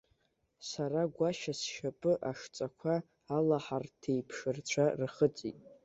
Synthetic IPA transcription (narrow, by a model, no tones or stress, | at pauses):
saɾaɡʷaʃasʃapʼɨʔaʂt͡sʼakʷʰaː | laħartʰejpʰʂɨrt͡ɕʷʰarχət͡sʼḭtʼ